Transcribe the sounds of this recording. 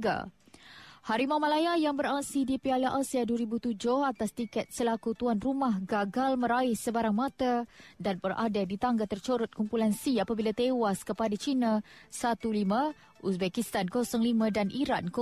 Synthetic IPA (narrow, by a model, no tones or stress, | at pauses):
ɡa̰ | haɾimamãlajajaŋbəɾaksidipialaʔasiaduəɾibut̪ud͡ʒʊhat̪ast̪ikɛt̪̚səlakut̪uanrumahɡaɡalmə̃ɾaɪhsəbaɾaŋmãt̪adanbərʔa̰dadit̪aŋɡat̪ərt͡ʃoɾʊt̪̚kumpulansiapabilat̪ewaskəpadat͡ʃinãsat̪ulimã | usbɛkist̪ankosɔŋlimãdanʔiɾa̰nk